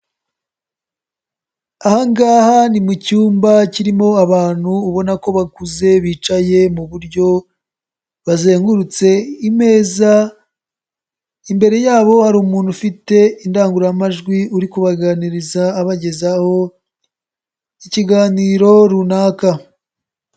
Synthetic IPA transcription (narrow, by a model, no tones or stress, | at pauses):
ahaŋɡaːhanimucuːmbaciɾimo̞aβaːn̥huːβo̞nako̞βakuze̞βiːt͡ʃaje̞muβuɾɟo̞ | βaze̞ːŋɡuɾut͡se̞ime̞ːza | imbe̞ɾe̞jaːβo̞haɾuːmuːnhufite̞indaːŋɡuɾamaʒɡwiuɾikuβaɡaniɾizaːβaɟe̞zaho̞ | iciɡaːniɾo̞ɾunaːka